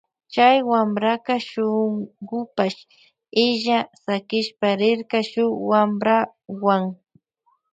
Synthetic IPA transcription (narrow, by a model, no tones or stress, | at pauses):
t͡ʃajwamɾakaʃʊŋɢʊpaʃ | ɪʒasakɪʃpaɾɪɾkaʃʊwamɾa | waŋ